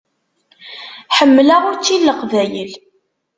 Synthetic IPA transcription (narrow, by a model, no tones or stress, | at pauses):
ħəmːlaʁʊɾt͡sːilːəqvæjəl